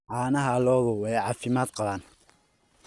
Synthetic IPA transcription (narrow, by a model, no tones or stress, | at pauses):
ʕɑːnɐɦɐlɔːðʊwɛjʕɑːfɪmaːd̪qɑβaːn